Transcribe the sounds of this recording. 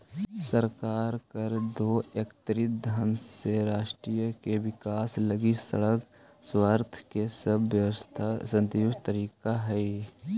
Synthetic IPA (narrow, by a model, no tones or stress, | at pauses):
səɾkaːɾkəɾd̪oːekt̪ɾɪt̪̚d̪ʱanseɾaːʃʈɾijəkeʋɪkaːsləɡisə̰ɽək | swaːɾt̪ʰkesɐbjəʋt̪ʰsə̃nt̪jʊʃt̪əɾiːkaɦɛi